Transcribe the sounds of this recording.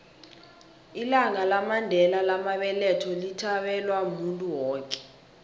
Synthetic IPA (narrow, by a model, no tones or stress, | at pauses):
ilaŋalamandʱɛlalamaɓɛlɛtʰɔlitʰaɓɛlwamuntʼuwɔːkʼɛ̥